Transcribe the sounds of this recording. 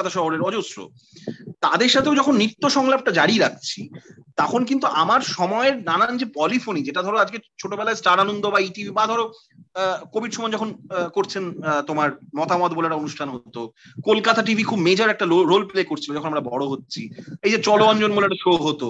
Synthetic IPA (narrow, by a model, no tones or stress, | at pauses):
at̪ʰaʃɔɦoɾeɾɔd͡ʑosɾo̰ | t̪ad̪eɾʃat̪ʰeowd͡ʑɔkʰonːit̪ːoʃɔŋlab̚ʈad͡ʑaɽiɾak̚ʰt͡ɕʰit̪akʰonk̬int̪uʔamaɾʃɔmɔeɾnanand͡ʑepɔlifʰonid͡ʑeʈad̪ʱɔɾoad͡ʑɡet͡ɕʰoʈobɛlaesʈaɾanond̪obaiʈibʱibad̪ʱɔɾo | kobiʈʃɔmɔed͡ʑɔkʰonkoɾt͡ɕʰent̪omaɾmɔt̪amɔt̪bolaʈaonuʃʈʰanɦot̪o | kolkat̪aʈibʱikʰubmed͡ʑaɾɛk̚ʈaoɾolplekoɾt͡ɕʰilod͡ʑɔkʰonamɾabɔɽoɦotːɕʰiejd͡ʑet͡ɕɔloɔnd͡ʑonmolaʈaʃooɦot̪o